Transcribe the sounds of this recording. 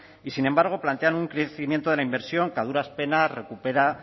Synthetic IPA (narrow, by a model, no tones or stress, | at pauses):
isine̞mbaɾɣ̞o̞plant̪e̞anuŋkɾeθimje̞nt̪o̞ð̞elaimbe̞ɾsjo̞ŋkaðuɾaspe̞nare̞kupe̞ɾa